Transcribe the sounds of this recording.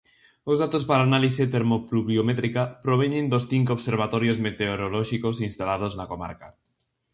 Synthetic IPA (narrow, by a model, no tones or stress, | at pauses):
ozðat̪ospalaːnaliset̪eɾmopluβjomet̪ɾikapɾoβ̞eɲẽnd̪osθiŋkoβseɾβ̞at̪oɾjozmet̪eoɾoloʃikosinst̪alað̞oznakoma̰ɾka